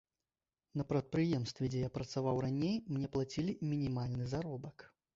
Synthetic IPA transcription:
nɐpɾɐt̪̚pɾɨjɛmst̪vʲɛd͡zʲɛjapɾɐt̪savawranʲejmnʲɛplˠat͡sʲilʲimʲinʲimalʲnɨzaɾɔbɐk

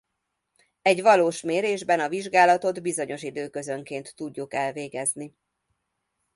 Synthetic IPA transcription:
ɛɟʋɒloːʃmeːɾeːʒbɛnɒviʒɡaːlɒt̪o̞d̪bizo̞ɲo̞ʃid̪øːkø̞zø̞ŋkeːnt̪ːuɟːukɛlveːɡɛzni

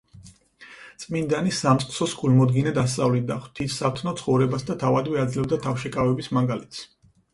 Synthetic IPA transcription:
t̪sʼmind̪anisamt̪sʼqʼsɔskʰʼulmɔd̪ɡinɛd̪ast̪sʼavlid̪aχwt̪ʰissat̪ʰnɔt̪sʰχɔvɾɛbasd̪at̪ʰavad̪vɛad̪zlɛb̚d̪at̪ʰafʃɛkʼavɛbismaŋɡalɛt̪ʰs

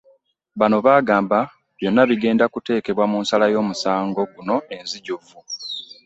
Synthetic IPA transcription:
βano̞βaːɡaːmba | βjo̞nːaβiɡe̞ːndakute̞ːke̞βwamuːnsalajo̞ːmusaːŋɡo̞ɡuno̞e̞nziɟuvu

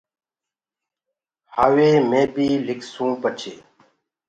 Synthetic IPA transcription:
haːʋeːmẽːbiːlɪkʰsũːpət͡ʃʰḛː

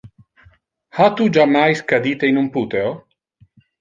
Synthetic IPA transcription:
hat̪ud͡ʒamajskad̪it̪einumput̪eo

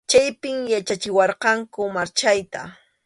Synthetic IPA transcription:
t͡ʃajpɪŋjat͡ʃat͡ʃɪwɑɾqɑŋkʊmaɾt͡ʃajt̪a̰

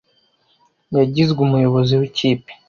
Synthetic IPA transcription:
jaɟizɡumujo̞βo̞ziwiciːpi̥

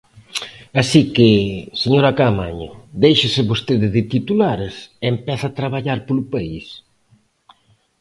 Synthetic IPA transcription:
asikɪseɲoɾakamaɲad̪ejʃɪsɪβost̪eðɪðɪt̪it̪ulaɾeseempɛθaːt̪ɾaβ̞aʎaɾpolʊpais

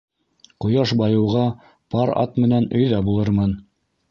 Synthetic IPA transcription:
qŏjɑʃbɑjɤ̆wʁɑ | pɑɾɑ̰t̪mɘ̆nænɵ̆jðɑbulˠɤɾmɤn

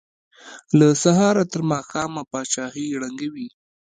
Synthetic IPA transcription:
lasaɦɑɾat̪əɾmɑxɑmapɑt͡ʃɑhiɽaŋɡawi

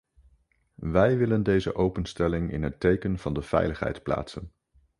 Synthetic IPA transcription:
ʋɛjʋɪləndejzə̰ʔowpənstɛlɪŋɪ̰nɦətejkənv̥ɑndəv̥ɛ̰jləχɦɛ̰jtpla̰ːtsən

